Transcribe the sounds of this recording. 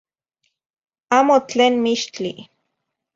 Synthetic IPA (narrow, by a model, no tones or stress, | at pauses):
aːmot͡ɬeːnmiʃt͡ɬḭ